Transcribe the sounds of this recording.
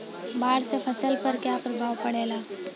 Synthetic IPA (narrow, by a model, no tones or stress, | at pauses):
baːɽsefʰɐsəlpɐɾkjaːpɾəbʱaːʋpɐɽeːlaː